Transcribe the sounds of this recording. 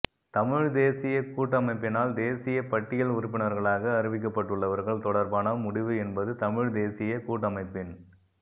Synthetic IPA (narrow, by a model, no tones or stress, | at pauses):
t̪ɐmɪɻd̪eːsɪjɐkuːʈːɐmɐɪpːɪnaːld̪eːsɪjɐpɐʈːɪjɐɭʊɾʊpːɪnɐɾɣɐɭaːɣɐːɾɪʋɪk̬ːɐpːɐʈːɯɭːɐʋɐɾɣɐɭt̪ɔɽɐɾbaːnɐmʊɽɪʋɯɛnbɐðɯt̪ɐmɪɻd̪eːsɪjɐkuːʈːɐmɐɪpːɪn